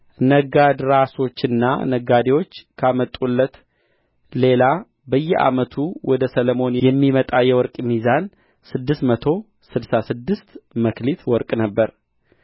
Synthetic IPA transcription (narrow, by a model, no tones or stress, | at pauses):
nəɡad̪ɾaso̞t͡ʃːɨnːa̰nəɡad̪ewo̞t͡ʃːkʰamət̪ʼulːət̪ | le̞la | bəjːɛʔa̰mət̪ʰuwɔd̪əsələmo̞njɛmːimət̪ʼajɛwɔɾkʼmizan | sɨd̪ːɨst̪mət̪ʰo̞ | sɨd̪sasɨd̪ːɨst̪məklit̪wɔɾkʼnəbːəɾ